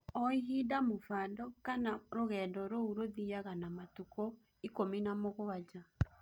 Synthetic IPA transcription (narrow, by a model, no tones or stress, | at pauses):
ɔiɦiːdamofaːndɔkanaɾoɣɛːndɔɾouɾoðiaɣanamatukɔ | ikominamoɣoad͡ʒa